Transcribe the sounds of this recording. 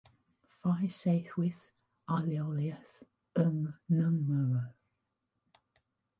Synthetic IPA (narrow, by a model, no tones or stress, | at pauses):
faɪseɪθwɪð | alioliəθ | əŋnəmːəɹə